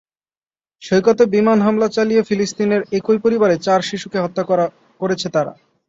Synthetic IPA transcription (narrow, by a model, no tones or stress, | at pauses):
ʃojkɔt̪ebimanɦamlat͡ɕalijefilist̪ineɾekujpoɾibaɾet͡ɕaɾʃiʃukeɦɔt̪ːa | koɾet͡ɕʰet̪aɾa̰